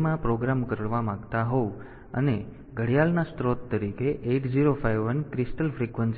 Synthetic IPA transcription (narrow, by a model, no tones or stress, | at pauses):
mãpɾoɡɾamkəɾəʋamãɡt̪aɦou | ə̰ne | ɡəɽjalnast̪ɾot̪ːəɾikeʔeʈd͡ʒiɾofajʋːənkɾɪsʈəlfɾikʋəns